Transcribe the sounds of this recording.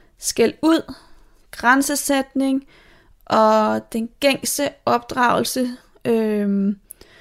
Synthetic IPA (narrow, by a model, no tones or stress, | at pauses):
sɡ̥æluð̞̰ˠ | ɡ̥ʁansəsed̥ne̝ŋ | ʔɒ̽d̥enɡ̥eŋ̰sd̥əɒ̽b̥d̥ʁɑ̈ʊl̩sə | ø